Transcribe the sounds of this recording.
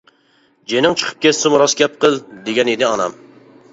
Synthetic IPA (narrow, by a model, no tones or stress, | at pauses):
d͡ʒenɪŋt͡ʃʰə̥qʰə̥p̚kʲʰɛt̪sɪmuɾɑsɡʲɛp̚qʰəlˠd̪eɡʲɛnid̪ɪɑnɑ̰m